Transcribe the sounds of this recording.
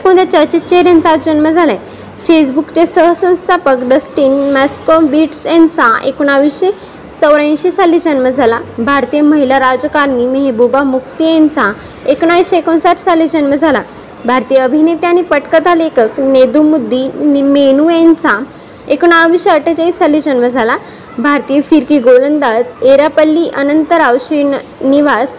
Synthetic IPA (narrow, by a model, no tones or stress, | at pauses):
kõɳd̪jat͡ɕəɾt͡ɕitt͡ɕeɦəɾjãnt͡sad͡ʑənməd͡zʱalaj | fesbukt͡ɕesəɦsə̃w̃st̪ʰapəkɖəsʈiːnmæskobiʈsjãnt͡saḛkuɳaʋiɕe | t͡səwɾãɕit͡salid͡ʑənməd͡zʱalabʱaɾt̪ijəməɦilaɾad͡zkaɾniməɦebubamukʰt̪ijãnt͡sa | ekɳaʋiɕeekonsaʈʰsalid͡ʑənʋəd͡zʱala | bʱaɾt̪ijəəbʱinet̪janipəʈkat̪alekəkned̪umud̪ʱːinmenujãnt͡sa | ekuɳawʋiɕeəʈʰət͡ɕait͡salid͡ʑənʋəd͡zʱala | bʱaɾt̪ijefiɾkiɡolənd̪ad͡zeɾapəlːiʔənənt̪əɾaʋɕiniʋas